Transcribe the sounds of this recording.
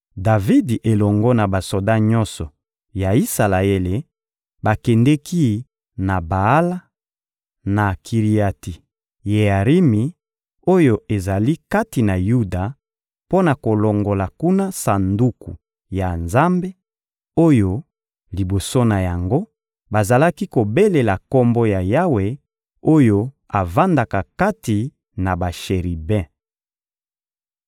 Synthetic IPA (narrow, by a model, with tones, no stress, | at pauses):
da˨vi˦dʔe˨lɔ˨ŋɡɔ˦na˨ba˨so˨da˦ɲɔ˦nsɔ˨ | ja˨i˦sa˨la˨e˦le˨ | ba˨kɛ˨ndɛ˦ki˦ | na˨ba˨a˦la˦ | na˨kʰi˨ʁi˨a˨ti˨ | je˨a˨ʁi˦mi˨ | o˦jo˦e˨za˨li˦ka˦ti˨na˨ju˦da˨ | po˦na˨ko˨lo˨ŋɡo˨la˨ku˦na˦sa˨ndu˦kṵ˨ | ja˨nza˦mbe˦ | o˦jo˨ | li˨bo˨so˦na˨ja˨ŋɡo˦ | ba˨za˨la˦ki˦ko˨be˦le˨la˨kɔ˦mbo˦ja˨ja˦we˨ | o˦jo˦ | a˨va˦nda˨ka˨ka˦ti˨ | na˨ba˨ʃe˨ʁi˨bɛ̃˦